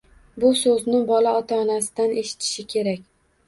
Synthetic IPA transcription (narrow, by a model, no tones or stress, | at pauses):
bʊsɵznɪbɒlaɒt̪ʰaːnasɪd̪anʔe̞ʃɪ̥t̪ʰɪ̥ʃɪkʲʰe̞ɾakʲ